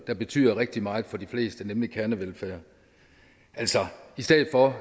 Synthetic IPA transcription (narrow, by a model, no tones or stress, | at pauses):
d̥ɑ̈b̥e̝t͡sʰy̰ːð̰ˠɐʁeɡ̥̚d̥imɑ̈ːɪfɒ̽d̥ifle̝̰ːsd̥ənemlikʰæɐnəʋelfæːɐ | ʔælsɒisd̥eːð̩ˠfɒ